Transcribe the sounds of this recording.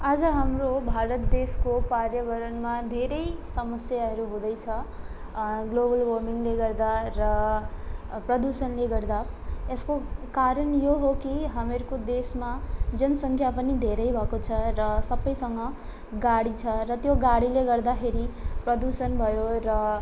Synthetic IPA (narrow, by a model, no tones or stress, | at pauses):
ad͡zʌɦamɾobʱaɾʌt̪̚d̪eskopaɾjʌbʌɾʌnmad̪ʱeɾʌjsʌmʌsjaɦʌɾuɦũd̪ʌjt͡sʰʌ | ɡlobʌlwʌɾmiŋleɡʌɾd̪arʌ | prʌd̪usʌnleɡʌɾd̪aeskokaɾʌnjoɦokiɦʌmeɾkod̪esmad͡zʌnsʌŋkʰjapʌnid̪ʱeɾʌjbʱʌkot͡sʰʌɾʌsʌbʌjsʌŋɡʌ | ɡaɽit͡sʰʌɾʌt̪joɡaɽileɡʌɾd̪axʰeɾiprʌd̪usʌnbʱʌjoɾʌ